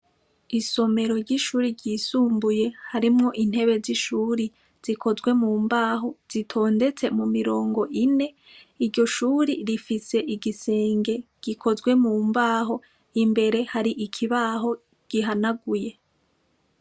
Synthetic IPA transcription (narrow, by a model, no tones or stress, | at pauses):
iso̞me̞ɾo̞ɾɟiʃuːɾiɾɟiːsuːmbuje̞haɾimŋo̞ʔin̥he̞βe̞ziʃuːɾi | z̥ikʰo̞zɡwe̞muːmbaːɦo̞z̥itʰo̞ːnde̞t͡se̞mumiɾo̞ːŋɡo̞ʔine̞ | iɾɟo̞ʃuːɾiɾifise̞ʔiɡise̞ːŋɡe̞ɡ̥ikʰo̞zɡwe̞muːmbaːɦo̞ | imbe̞ɾe̞haɾiʔikʰiβaːɦo̞ | ɡ̥iɦanaɡuje̞